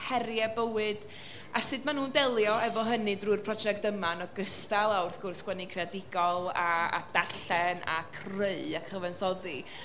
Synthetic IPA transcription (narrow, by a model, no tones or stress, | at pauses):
hɛɾjɛbəwɨd̥ | asɨdmanuːndɛlˠjɔɛvɔɦənɨdruːrpʰrɔd͡ʒɛk̚təmanɔɡəstalˠawrθɡ̥ʊrsɡwɛnikʰreadɪɡɔlˠaa̰d̥arɬɛna̰kʰrəɨakʰrəvɛnsɔði